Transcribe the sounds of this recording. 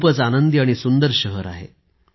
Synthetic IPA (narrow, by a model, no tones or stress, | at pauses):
pət͡sanənd̪iaɽ̃isund̪əɾɕəɦəɾa̰ɦḛ